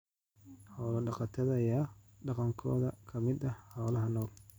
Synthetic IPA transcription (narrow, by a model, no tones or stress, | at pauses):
hɔːlɐɖɑqɑt̪ʰɐðɐjaː | ɖɑqɑŋkʰɔ̰ːðɐkʰɐmɪd̪ɐhhɔːlɐɦɐnɔːl